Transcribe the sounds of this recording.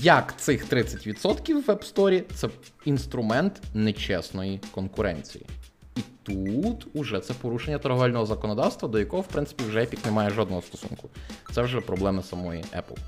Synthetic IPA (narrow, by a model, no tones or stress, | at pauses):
jɐkt̪sɪxt̪ɾɪt͡sʲːɐtʲʋʲit̪sɔt̪kʲiwːɛpst̪ɔɾʲit̪sɛ | inst̪ɾʊmɛnt̪nɛt͡ʃɛsnɔjikɔnkʊɾɛ̰nʲt͡sʲḭjḭ | it̪ut̪uʒɛt̪sɛpɔɾuʃenʲːɐt̪ɐɾɦɔʋalʲnɔɦɔzɐkɔnɔd̪ɑwst̪ʋɐd̪ɔjɐkɔɦɔwpɾɪnsɪ̥pʲiwʒɛɛpʲiknemɑjɛʒɔd̪nɔɦɔst̪ɔ̥sṵnkʊ̥t̪sɛwʒɛpɾɔblˠɛmɪsɐmɔjḭʔɛ̰plˠ